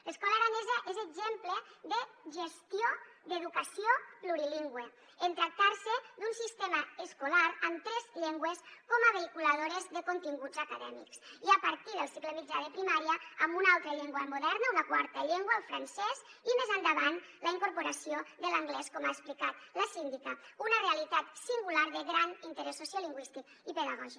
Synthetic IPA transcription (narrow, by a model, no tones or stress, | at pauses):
ləskɔləɾanezəʔezəɡzempləðəʒest̪iod̪eðukəsijopluɾiliŋɡwe | ent̪ɾak̚t̪aɾsəd̪unsist̪eməəskulaɾəmt̪ɾɛzʎeŋɡweskɔməβeikuləð̞oɾezðəkont̪iŋɡud͡zəkaðɛ̰mḭksiəpəɾt̪iðəlˠsikləmid͡ʒaðepɾimaɾiəːmbunalˠt̪ɾəʎeŋɡwəmuðɛɾnəunakwaɾt̪əʎeŋɡwaːlˠfɾansɛzimezand̪aβan | ləiŋkoɾpoɾasioðəlaŋɡlɛskɔmaesplikat̪ləsind̪ikəunərealit̪at̪siŋɡulaɾðəɣɾanint̪eɾɛsːosjaliŋɡwist̪ik | ipeðaɣɔʒi